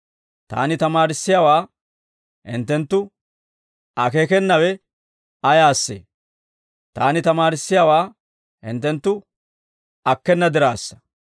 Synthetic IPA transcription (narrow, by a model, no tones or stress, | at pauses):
t̪a̰ːnɪt̪ɐmaːɾɪsːɪjaːwaː | hɪ̰nt̪ːɛnt̪ːʊ | ɐkeːkɛnːɐwɛ | ɐjaːsːḛː | t̪aːnɪt̪ɐmaːɾɪsːɪjaːwaː | hɪ̰nt̪ːɛnt̪ːʊ | ɐkːɛnːɐd̪ɪɾaːsːɐ̥